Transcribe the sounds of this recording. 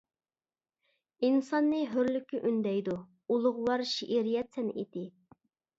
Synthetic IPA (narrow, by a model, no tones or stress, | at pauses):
insɑnːɨɦøɾlykʲʰːiʔynd̪ɛjd̪u | ulˠʊʁwɑɾʃiʔiɾijɛt̪sɛnʔḭd̪ɪ